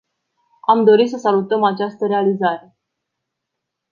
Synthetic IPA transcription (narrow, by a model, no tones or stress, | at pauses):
amd̪o̞ɾit̪səsalut̪əmat͡ʃast̪əɾe̞alizaɾe̞